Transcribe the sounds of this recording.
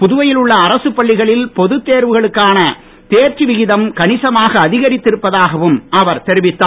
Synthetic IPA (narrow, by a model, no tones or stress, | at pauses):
pʊðʊʋɐjɪlʊɭːɐːɾɐsɯpːɐɭːɪɣɐɭɪlpɔðɯt̪ːeːɾʋɯɣɐɭɯkːaːnɐ | t̪eːɾt͡ʃːiʋɪɣɪðɐmkɐnɪsɐmaːɣɐːðɪɣɐɾɪt̪ːɪɾɯpːɐðaːɣɐʋɯmɐʋɐɾt̪ɛɾɪʋɪt̪ːaː